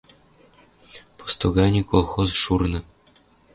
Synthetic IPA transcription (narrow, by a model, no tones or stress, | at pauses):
po̥st̪oɡɑnʲikolˠxozʂurnɤ̆